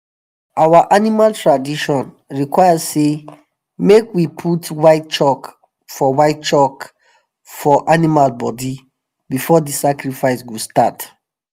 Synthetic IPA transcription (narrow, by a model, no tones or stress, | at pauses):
awaʔanimaltɹadiʃɔ̃n | ɹikwaɪjase | mekwipʰutwaɪt̚t͡ʃɔk | fɔwaɪt̚t͡ʃɔk | fɔʔanimalbɔdi | bifɔdisakɹifaɪsɡostat